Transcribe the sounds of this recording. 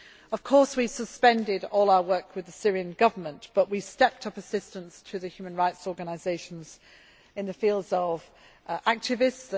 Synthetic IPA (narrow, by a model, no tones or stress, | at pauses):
əv̥kʰɔɹswisəspɛ̃ndɪɾɔːlˠaʊəwɜˑ˞kʰwɨðəsɪɹiɨ̃nɡʌvə˞mə̃nb̥ʌʔwistɛp̚tʰʌpəsɪstə̃nstʰɨðɨhjʉmə̃nɹaɪtsɔɹɡənazeɪʃə̃n̩z̥ | ɨ̃nðɨfilˠdzʌv | ʔæk̚tɨvɪsts